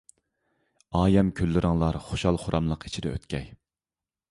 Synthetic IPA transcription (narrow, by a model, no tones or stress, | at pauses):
ɑːjɛmkʲʰølːɪɾɨŋlˠɑɾχoʃɑlˠχʊɾʔɑmlˠəqi̥t͡ʃʰid̪ɛø̰t̪kʲɛj